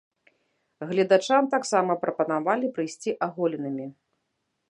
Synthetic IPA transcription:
ɣlʲɐd̪at͡ʂamt̪aksamɐpɾɐpɐnavalʲipɾɨjsʲt͡sʲiʔaɣɔlʲinɨmʲi

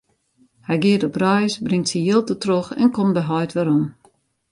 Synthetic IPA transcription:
hɛjɡɪətɔbrɔjsbrɪŋtsijɪlˠtətroxɛ̰nkombəɦɔjtʋɛɾɔm

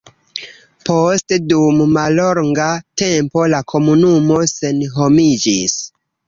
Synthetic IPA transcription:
postdummalo̞ŋɡate̞mpo̞lakʰo̞munumo̞se̞nɦo̞mid͡ʒis

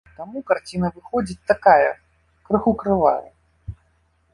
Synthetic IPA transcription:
t̪amukart͡sʲinɐvɨxɔd͡zʲit͡sʲt̪akajɐ | kɾɨxukɾɨva̰jɐ̰

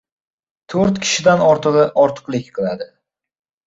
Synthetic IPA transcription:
t̪ʰoɾt̪kʲʰɪ̥ʃɪd̪anɒɾt̪ɨʁɒɾt̪ʰɨ̥qlˠɪkʲqʰɨlˠad̪ɪ

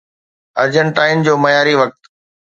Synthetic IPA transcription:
ɐɾd͡ʑəɳʈaːɪnd͡ʑoːmɐjaːɾiʋɐk̚t̪

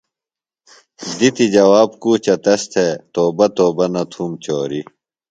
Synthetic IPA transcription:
d̪it̪id͡ʑɐwaːb̚kuːt͡ɕɐt̪ɐst̪ʰet̪oːbɐt̪oːbɐnɐt̪ʰumt͡ɕoːɾi

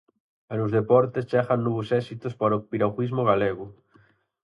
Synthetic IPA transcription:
anozðepɔɾt̪est͡ʃaxanːɔβosɛsit̪ospaɾopiɾawxizmoɣaleɣʊ

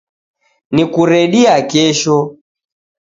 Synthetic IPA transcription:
nikuɾɛɗiakɛʃɔ

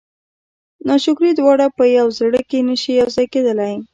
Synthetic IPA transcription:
nɑʃʊkɾid̪wɑɽapəjawzɽəkenəʃijawzɑjked̪əlaj

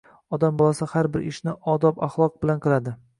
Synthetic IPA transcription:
ɒd̪ambɒlˠasahaɾbɪɾɪ̰ʃnɪʔɒd̪ɒpaχlˠɒq̚bɪlanqʰɨlˠad̪ɪ

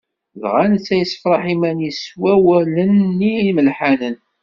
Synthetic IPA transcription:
lʁænθːæjəsə̥fɾˤɑħimæniswæwælənːiməlħanən

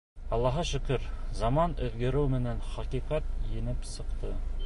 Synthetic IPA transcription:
ɑlˠːɑɦɑʃɵ̆kɵɾzɑmɑnɵ̆ðɡɘ̆ɾɘwmɘ̆nænχɑqiqɑt̪jɘ̆nɘpsɤ̆qt̪ɤ

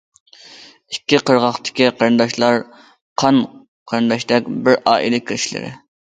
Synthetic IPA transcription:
ikʲːiqʰəɾʁɑχt̪ʰɪ̥kʲiqʰəɾɨnd̪ɑʃlˠɑɾ | qʰɑn | qʰɑɾɨnd̪ɑʃd̪ɛkʲbɪɾʔɑːʔḭlˠɪkʲʰiɾɪʃilɪ̰ɾɪ̰

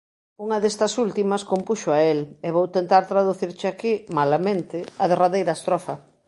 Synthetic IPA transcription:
uŋɐðest̪ɐsult̪imɐskompuʃoaeleβowt̪ent̪aɾt̪ɾaðuθiɾt͡ʃɪakimalamẽnt̪ɪaðeraðejɾast̪ɾɔfɐ

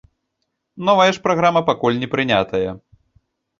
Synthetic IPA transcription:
nɔvɐjɐʂpɾaɣɾamɐpakulʲnʲɛpɾɨnʲat̪ɐjɐ

